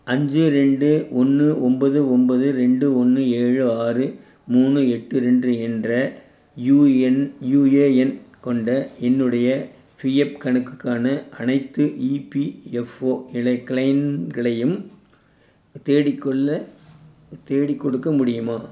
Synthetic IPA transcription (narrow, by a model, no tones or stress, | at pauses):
ɐɲd͡ʒɯɾɛɳɖɯɔnːɯɔmbɐðɯɔmbɐðɯɾɛɳɖɯɔnːɯeːɻɯaːrɯ | muːnɯɛʈːɯɾɛɳdrɯɛndrɐ | juɛnjuːeːɛnkɔɳɖɐɛnːɯɽɐjɐ | fijɛp̚kɐɳɯkːɯ̥kːaːnɐʔɐnɐɪt̪ːɯʔiːpiɛfoːɪɭɐɪkːɭɐɪnɡɐɭɐjɯm | t̪eːɽɪkːɔɭːɐ | t̪eːɽɪkːɔɽɯkːɐmʊɽɪjɯmaː